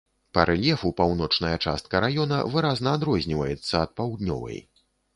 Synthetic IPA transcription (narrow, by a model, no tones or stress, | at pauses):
pɐɾʔɛlʲjɛfupawnɔt͡ʂnɐjɐt͡ʂa̰st̪̚kɐɾajɔnɐ̰vɨɾaznɐːd̪ɾɔzʲnʲivɐjɛt̪sːɐːt̪̚pawd̪nʲɔ̰vɐ̰j